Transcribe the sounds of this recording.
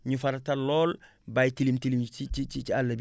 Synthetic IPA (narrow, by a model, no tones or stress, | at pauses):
ɲufaɾataloːl | bajtilimtilimiit͡ʃit͡ʃalːɐb